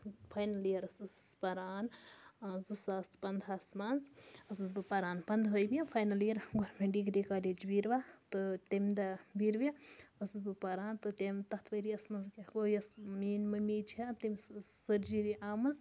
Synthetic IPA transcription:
pʰajnɐliɐɾɐsɨsspɐɾaːn | zusaːspɐnd̪aːsmanzɐsɨzbɨpɐɾaːnpɐnd̪ɦəjbijɐfʰɐjnɐliɐɾɡoɾmʲeɳɖiɡɾikaːleːd͡ʒbiɾʋat̪ɨt̪emʲd̪ɐbiɾbɐɐsɨzbɨpɐɾaːnt̪ɨt̪emʲt̪ɐht̪ʰʋɐɾiɐsmɐnzkʲɐɡojɐsmiːnmɐmiːt͡ʃʰiɐt̪imʲssəɾd͡ʒiɾiʔaːmɨz

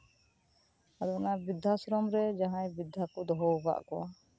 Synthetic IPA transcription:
ad̪ɔnabid̪ʱasɔɾɔmɾɛd͡ʒaɦãjbid̪ʱakɔd̪ɔɦɔɔba̰ʔkɔwa

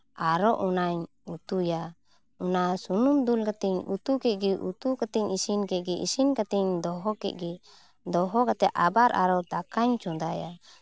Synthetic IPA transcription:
aɾɔʔunaɲ | ut̪uja | unasunumd̪ulkat̪ɛɲut̪ukɛt̪̚ˀɡɛʔut̪ukat̪iɲisinkɛt̪̚ˀɡɛʔḭsinkat̪ɛɲd̪ɔɦɔkɛ̰t̪̚ˀɡɛ | d̪ɔɦɔkat̪ɛʔabaɾʔa̰ɾɔd̪akaɲt͡ʃɔ̃d̪aja̰

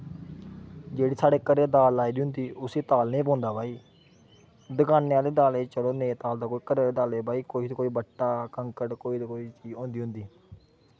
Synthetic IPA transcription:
d͡ʒeːɽiːsaːɽeːkəɾeːd̪aːlaːiːd̪iːɦʊ̃nd̪iːʊseːt̪aːlnẽːp̬ɔ̃ːnd̪aːbaːiː | d̪əkaːnejãːd̪eːd̪aːleːt͡ʃəloːnẽːt̪aːld̪aːkoːiːkəɾeːd̪eːd̪aːleːbaːiːkoːiːt̪ːkoːiːbəʈːaːkəŋkəʈkoːid̪koːiːt͡ʃiːd͡ʒõːnd̪iːɦʊ̃nd̪iː

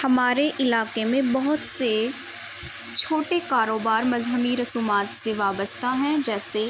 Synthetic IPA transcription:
hɐmaːɾeʔɪlaːkemẽbɐɦʊt̪se | t͡ʃʰoːʈekaːɾoːbaːɾmɐzɦəmiɾɐsuːmaːt̪seʋaːbəst̪ʰaɦɛ̃d͡ʒɛːse

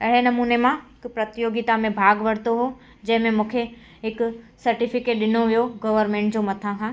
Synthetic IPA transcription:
ɐɦɪɾenɐmuːnemãɦɪkpɾɐt̪joːɡit̪amẽbʱaːɡʋɐɽt̪oɦo | d͡ʑɐ̃ɦɪ̃mẽmũːkʰe | ɦɪk | sɐɾʈifɪkeːʈ̚ɗɪnoʋijoɡɐʋəɾmẽːɳʈ̚d͡ʑoːmɐt̪ʰãkʰãː

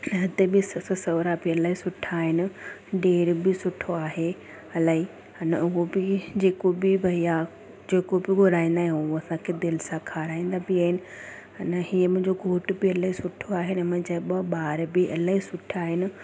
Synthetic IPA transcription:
ɐɦɪt̪ebɪsɐssɐʋɾabɪɐlaːisʊʈʰaːɦɪnɪ̆ɖeːɾbɪsʊʈʰoaːɦe | ɐlaːɦi | ɐnəʊɦobɪd͡ʑeːkobɪbʱɐija | d͡ʑeːkobɪɡʱʊɾaːĩːnd̪aːɦẽʊɦoɐsãkʰed̪ɪlɪsãkʰaːɾaːĩːnd̪abɪaːɦɪnɪ̆ | ɐnəɦiːəmʊ̃ɦɪ̃ɲd͡ʑoɡʱoːʈbɪɐlaːɦisʊʈʰoaːɦenɛmɐ̃d͡ʑaːiɓɐɓaːɾbɪʔɐlaːɦisʊʈʰaːɦɪnɪ̆

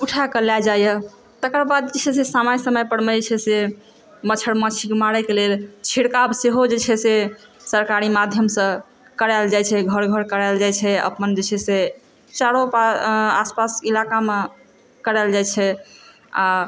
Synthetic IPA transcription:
uʈʰakəlad͡ʒajə | t̪əkəɾbad̪̚d͡ʒet͡ʃʰɛsesamajsəməjpəɽməɛt͡ʃʰɛse | mət͡ʃʰəɽmat͡ʃʰikmaɾɛkelelt͡ʃʰiɽkabseɦod͡ʒet͡ʃʰɛsesəɾkaɾimad̪ʱjəmsə̃ | kəɾald͡ʒat͡ʃʰɛɡʱəɾɡʱəɾkəɾald͡ʒajt͡ʃʰɛə̰pənd͡ʒet͡ʃʰɛse | t͡ʃaɽopaaspasilakame | kəɾald͡ʒajt͡ʃʰɛ | a

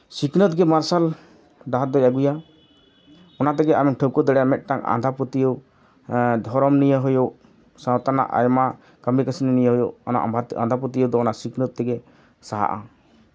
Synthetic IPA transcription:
siknət̪̚ɡɛmaɾsal | ɖaɦat̪̚d̪ɔjaɡuja | ɔnat̪ɛɡɛʔamŋʈʰəwkɔd̪ɛɽɛjamɛt̪̚ʈaŋã̰nd̪ʱaput̪ijɔw | d̪ʱɔɾɔmnijəɦɔjoʔ | sãwt̪ana̰ʔa̰jma | kəmikəsininijəɦɔjoʔɔna̰ʔbʱaã̰nd̪ʱaput̪ijɔwd̪ɔɔnasiknət̪̚ːɛɡɛ | saɦa̰ʔa̰

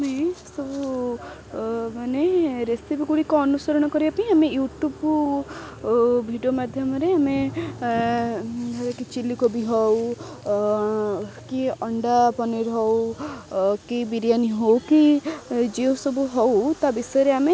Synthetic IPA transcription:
amesɔbu | maneɾesipiɡuɽikɔːnusɔɾɔɽ̃ɔkɔɾibapaĩamejuʈub | bʱiɖijomad̪ʱjɔmɔɾeame | kit͡ʃilikobiɦɔw | kiɔɳɖapɔniɾɦɔw | kibiɾijaniɦowkid͡ʒewsɔbuɦɔwt̪abisɔjɔɾeame

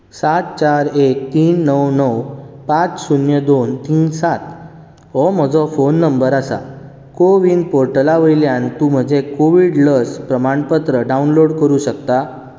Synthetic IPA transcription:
sat̪̚t͡ɕaɾek̚t̪iːnːəwnəwpat͡ssunjəd̪ont̪iːnsat̪ | ɦɔm̤əd͡zɔfonːəmbəɾasa̰ | koʋiːnpoɾʈəlaʋəjljãnt̪uːm̤əd͡ʑekoʋiɽləspɾəmaɳpət̪ɾəɖaunloɽkəɾuɕək̚t̪a

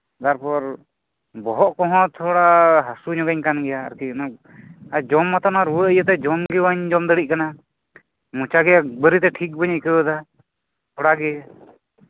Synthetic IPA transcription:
t̪aɾpɔɾ | bɔɦɔʔkɔɦɔ̃t̪ʰɔɽaɦasuɲɔɡaɲkanɡɛja̰ːɾkinɔk̚ | ad͡ʒɔmːat̪anaɾuwəjət̪ɛd͡ʒɔmɡɛwaɲd͡ʒɔmd̪əɽiʔ̚kana | mut͡ʃaɡɛabəɾit̪ɛʈʰik̚bəɲkəwəd̪a | t̪ʰɔɽaɡɛ

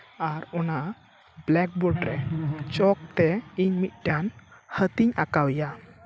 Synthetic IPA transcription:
aɾɔna | blɛk̚bɔɖɾɛt͡ʃɔk̚t̪ɛiɲmit̪̚ˀʈanhət̪iɲa̰kawja

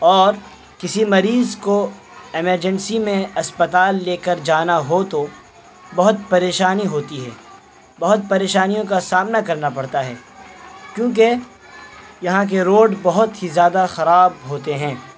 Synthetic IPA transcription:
ɔːɾ | kɪsimɐɾiːzko | ɪməɾd͡ʒənsimẽɐspət̪aːlːeːkəɾd͡ʒaːnaɦot̪o | bɐɦʊt̪̚pɐɾeːʃaːniɦoːt̪iɦɛ̰ː | bɐɦʊt̪̚pɐɾeːʃaːnijõkasaːmnakɐɾnapɐɽt̪aɦɛːkjõːk̬e | jɐɦãk̬eɾoːɖbɐɦʊt̪ɦizjaːd̪axɐɾaːb̚ɦoːt̪eɦɛ̃ː

